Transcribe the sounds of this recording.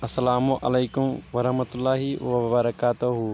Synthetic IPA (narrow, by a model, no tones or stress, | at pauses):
ɐsːɐlaːmuʔɐlejkʊmʋɐɾɐhmɐt̪ʊlːaːɦiʋɐbɐbɐɾɐkaːt̪uɦu